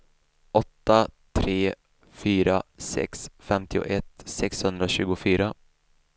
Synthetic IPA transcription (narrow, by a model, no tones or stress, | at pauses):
ʔɔt̪ːat̪ʰɾeː | fyːɾasɛ̰ksfɛmt̪ɪʊ̰ʔɛt̪ːsɛkshɵnd̪ɾaɕʉ̟ːɡʊfyːɾa